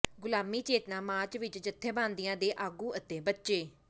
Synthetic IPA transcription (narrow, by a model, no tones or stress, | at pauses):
ɡʊlaːmiːt͡ʃeːt̪nãːmãːt͡ʃʋɪt͡ʃd͡ʒət̪ʰːẽːbãːnd̪ijãːd̪eːʔaːɡuːʔət̪eːbətːʃeː